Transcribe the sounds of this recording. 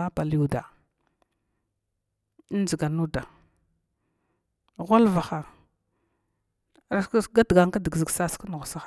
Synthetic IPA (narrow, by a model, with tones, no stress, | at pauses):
a˦pa˨lu˨da˨˦ | n˦d͡ʒi˨ɡa˨nu˦da˨ | ɣʷa˦lva˨xa˨ | a˦ɡa˦dɡa˨ŋ˦ka˦di˨ɡzi˨ɡsa˦ska˦nu˨ɣsa˦a˦˨